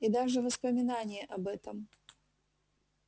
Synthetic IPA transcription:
id̪aʐɨvəspəmʲɪnanʲɪjəʔɐbɛt̪əm

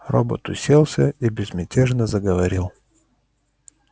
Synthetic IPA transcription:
ɾɔbo̰t̪ʊsʲɛlˠsʲəibʲɛzmʲɛtʲɛʒnəzɐɡɐvɐɾilˠ

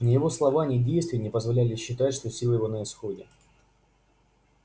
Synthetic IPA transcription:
nʲɪjɪvo̞slˠɐvanʲɪdʲejst̪vʲɪjnʲɪpəzvɐlʲælʲɪɕːɪt̪atʲʂt̪o̞sʲilˠəjɪvo̞nəɪsxo̞dʲɪ

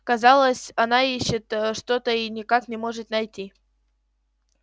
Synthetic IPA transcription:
kɐzɑlˠəsʲɐnaiɕːɪt̪ʂt̪o̞t̪əinʲɪkaknʲɪmo̞ʐɨt̪nɐjtʲi

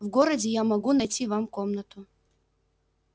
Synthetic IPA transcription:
vɡoɾədʲɪjamɐɡunɐjtʲivamkomnət̪ʊ

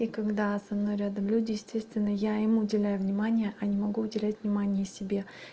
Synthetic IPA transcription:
ikɐɡd̪asɐmnojɾʲad̪əmlʲʉdʲɪjɪsʲt̪ʲe̞st̪vʲɪnːəjaɪmʊdʲɪlʲæjʊvnʲɪmanʲɪjəʔɐnʲɪmɐɡuʊdʲɪlʲætʲvnʲɪmanʲɪjəsʲɪbʲe̞

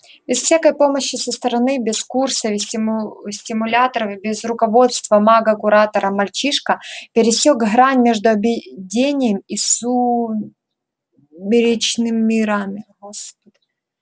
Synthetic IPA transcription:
bʲɪsfsʲakəjpo̞mɐɕːɪsɐst̪ɐɾɐnɨbʲɪskursɐvʲɪ | sʲɪmʊlʲat̪ɐɾɐvʲbʲɪzrʊkɐvo̞t̪st̪vɐmaɡɐkʊɾat̪ɐɾɐmɐlʲt͡ɕiʂkɐpʲɪɾʲɪsʲoɡɦɾanʲmʲeʐd̪ʊɐbʲɪdʲenʲɪjəmisu | bʲɪɾʲɪt͡ɕnɨmːʲɪɾamʲɪ | s

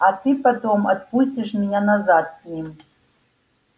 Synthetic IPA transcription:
atʰɨpatoma̰d̪̚pus̬ʲtʲiʂmʲinʲanazat̪̚nʲim

